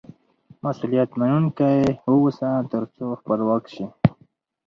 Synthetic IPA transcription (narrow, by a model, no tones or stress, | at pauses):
masulijat̪manunkaeuwusat̪əɾt͡soxpəlwakʃi